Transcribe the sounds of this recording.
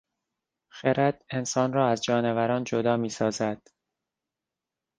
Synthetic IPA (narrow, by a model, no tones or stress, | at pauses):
xeɾæd̪̥e̞nsɒːnrɒːæzd͡ʒɒːnevæɾɒːnd͡ʒod̪ɒːmiːsɒːzæd̪̥